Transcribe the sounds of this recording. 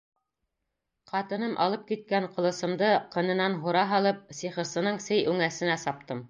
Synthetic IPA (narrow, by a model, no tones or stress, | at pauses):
qɑt̪ɤ̆nɤmʔɑ̰lˠɤp̚kit̪̚kæɴqŏlˠɤ̆sɤ̆md̪ɤqɤ̆nɤ̆nɑnɦuɾɑɦɑlˠɤp̚siχɤ̆ɾsɤ̆nɤɴsɘjʉŋæsɘ̆næsɑp̚t̪ɤm